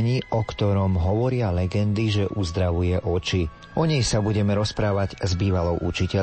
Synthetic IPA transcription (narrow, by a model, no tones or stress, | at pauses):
ɲiːʔɔkt̪ɔɾɔmɦɔʋɔɾɪalɛɡɛnd̪iʒɛʔuzd̪ɾaʋujɛʔɔt͡ʃi | ɔɲɛjsabuɟɛmɛɾɔspɾaːʋaɟzbiːʋalɔʊʔut͡ʃicɛ